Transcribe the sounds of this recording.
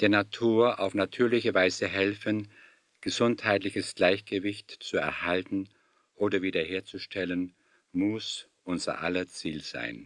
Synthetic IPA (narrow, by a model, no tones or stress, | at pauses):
d̥eːɐnatʰuːɐʔa̰ʊfnatʰyːɐlɪçəvaɪzəɦɛlfən | ɡ̥əzʊnthaɪtlɪçəsɡ̥laɪçɡ̥əvɪçtt͡suɛ̰ɐhaltn̩ | ʔoːdɐviːdɐheːɐt͡suʃtʰɛlən | mʊs | ʔʊnzɐ̰ʔa̰lɐt͡siːlz̥a̰ɪn